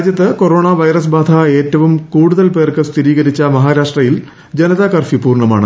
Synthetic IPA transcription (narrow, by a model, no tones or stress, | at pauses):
djɐt̪ːɨko̞ɾo̞ːɳaʋɐjrɐs̬baːd̪ʱae̞ːtːɐʋumkuːɽuðɐlpe̞ːrkɨst̪ʰiɾiːɣɐɾit͡ɕːɐmɐɦaːɾaːʂʈrɐjil | d͡ʑenɐðakɐrfipuːrɳɐma̰ːɳɨ